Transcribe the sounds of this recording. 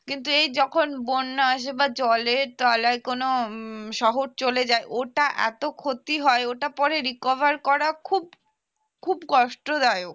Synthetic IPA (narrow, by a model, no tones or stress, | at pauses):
kint̪uejd͡ʑɔkʰonbonːoaʃ̬ebad͡ʑɔleɾt̪ɔlaekonoʃɔɦoɾt͡ɕoled͡ʑaeʔoʈaʔɛ̰t̪okʰot̪iɦɔeoʈapɔɾeɾikɔbaɾkɔɾakʰub̚ | kʰubkɔʃʈod̪aeok